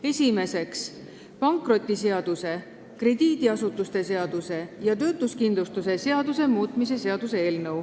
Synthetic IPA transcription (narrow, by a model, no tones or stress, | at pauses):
e̞sʲime̞se̞ks | pɑŋkˑro̞t̪ʲˑːise̞ɑd̪̥use̞ | kre̞d̪̥iːd̪iɑsut̪ːˑust̪e̞se̞ɑd̪̥use̞jɑt̪ø̞ːt̪ˑuskind̪lust̪use̞se̞ɑd̪use̞muːt̪ˑmis̬e̞se̞ɑd̪̥use̞e̞ːlnɤw